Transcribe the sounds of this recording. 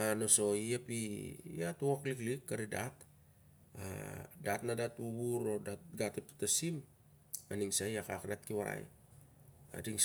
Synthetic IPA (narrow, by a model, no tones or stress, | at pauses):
anoso̞iapijatuwokliklikːaɾida̰t | a̰dat̚nadatuβuɾodat̚ɡatetu̥tasim | aniŋsajakakadat̪̚kiwaɾa̰j̰ | a̰diŋ